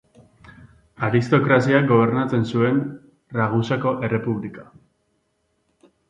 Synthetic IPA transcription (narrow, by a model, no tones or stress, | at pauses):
aɾist̪o̞kɾasiaɡo̞β̞e̞ɾnat͡se̞nsue̞n | raɣusako̞ʔe̞re̞puβlika